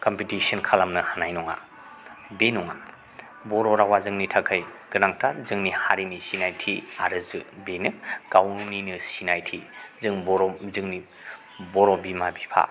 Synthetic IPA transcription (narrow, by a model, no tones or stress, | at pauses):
kɔmpitisɐnkʰalamnɯhanajnɔŋa̰ | benɔŋa̰ | bɔɾɔɾawazɯŋnitʰakʰajɡ̥ɯnaŋtʰazɯŋnihaɾinisinajtʰiaɾɯzɯbenɯɡawninɯsinajtʰizɯŋbɔɾɔzɯŋni | bɔɾɔbimabipʰa̰